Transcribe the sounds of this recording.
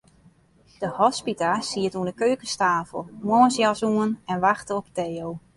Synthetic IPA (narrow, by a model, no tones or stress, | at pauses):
d̥əhɔspitasiətuəndəkøːkəstaːfə̰lˠmɔnsjasuənɛnʋaxtəɔpteːow